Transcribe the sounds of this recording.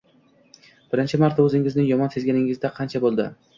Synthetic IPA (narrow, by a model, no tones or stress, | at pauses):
b̥ɪɾɪnt͡ʃʰɪmaɾt̪ʰːaɵzɪŋɪznɪŋjɒmɒnse̞zɡʲanɪŋɪzd̪aqʰɑnt͡ʃʰabolˠd̪ɪ